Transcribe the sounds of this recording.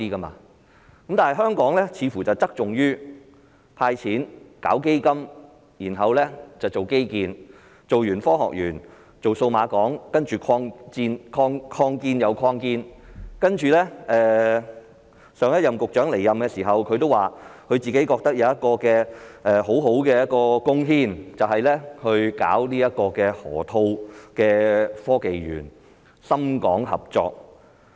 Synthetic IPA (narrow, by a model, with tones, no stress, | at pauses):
iː˥kɐ˥ma̰ː˧ | kkɐ˨˥mt̪aː˨˩ɦɐ˨˩ɦœː˥ŋkɔː˨˥ŋlɛː˥t͡sʰiː˨˧fuː˨˩t͡sɐ˨wt͡sɐ˥k̚t͡sʊ˨ŋjyː˥ | pʰaː˧jt͡sʰiː˨˥nka̰ː˨˥wke˥jkɐ˥m | jiː˨˩nɦɐ˨wlɛː˥t͡sɐ˨wt͡so˨˩wke˥jkiː˧n | t͡so˨wjyː˨˩nfɔː˥ɦɔ̰˨k̚jyː˨˩n | t͡so˨wso˧wmaː˨˧kɔː˨˥ŋkɐ˥nt͡ʃyː˨kʰɔː˧ŋt͡siː˧nkʰɔː˧ŋkʰɔː˧ŋkiː˧njɐ˨˧wkʰɔː˧ŋkiː˧nkɐ˥nt͡ʃyː˨˩lɛː˥ɛː˨˩ | sœː˨˧ŋjɐ˥t̚jɐ˨mkʊ˨k̚t͡ʃœː˨˥ŋle˨˩jːɐ˨mkɛː˧siː˨˩ɦɐ˨wkʰɵ˨˧ɥt̪o˥waː˨kʰɵ˨˧ɥt͡siː˨ke˨˥jkɔː˧k̚t̪ɐ˥k̚jɐ˨˧wjɐ˥t̚kɔː˧kɛː˧ʔɛː˨ɦo˨˥wɦo˨˥wkɛː˧jɐ˥t̚kɔː˧kʊ˥ŋɦiː˥nt͡sɐ˨whɐ˨jlɛː˥hɵ˧ɥka̰ː˨˥wniː˥jɐ˥t̚kɔː˧kɛː˧hɔː˨˩t̪ʰo˧wkɛː˧fɔː˥ke˨jɥy̰ː˨˩n | sɐ˥mkɔː˨˥ŋhɐ̰˨˩p̚t͡ʃɔ̰ː˧k̚